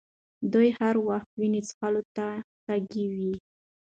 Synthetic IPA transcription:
d̪ujhaɾwaxt̪̚winit͡sxalot̪ataɡiwi

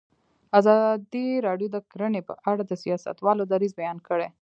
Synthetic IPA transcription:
azɑd̪iɾɑɖjod̪əkɾənepə̰ʔaɽad̪əsijɑsa̰t̪wɑlod̪aɾizbajɑnkəɽe

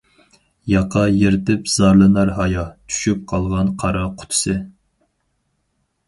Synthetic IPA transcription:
jɑqʰɑjeɾɪt̪ɪpz̥ɑɾlˠɨnɑɾɦɑjɑt͡ʃ̪ʰy̥ʃyp̚qʰɑlˠʁɑnqʰɑɾɑqʰʊ̥t̪ʰʊ̥sɨ

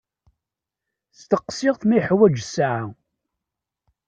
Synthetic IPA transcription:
st̪əqːsɪʁθmijħwæd͡ʒsaʕa

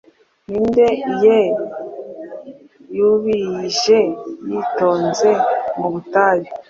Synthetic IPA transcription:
niːndeije | juβiʒejitoːnzemuβutaɾi

